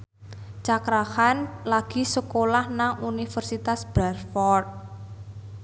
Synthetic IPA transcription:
t͡ʃakɾahanlaɡ̥i̤səkolahnaŋunifərsit̪asb̥ɾarfɔrt̪̚

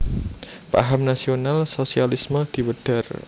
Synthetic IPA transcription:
pa̰ɦamnasionalsosialisməd̪̥i̤wəɖ̥a̤r

